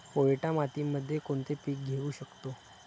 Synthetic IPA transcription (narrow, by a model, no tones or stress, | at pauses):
poɭʈamat̪imːəd̪ʱːjekoɳt̪epiːk̚ɡʱeʋuːɕəkt̪o